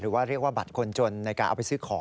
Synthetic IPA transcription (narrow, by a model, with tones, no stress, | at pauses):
ɾɯː˩˦waː˥˩ɾi˥˩ək̚waː˥˩ba˨˩t̪̚kʰo˧nt͡ɕo˧nːa˧jkaː˧nʔa˧wpa˧sɯː˥˩kʰɔː˩˦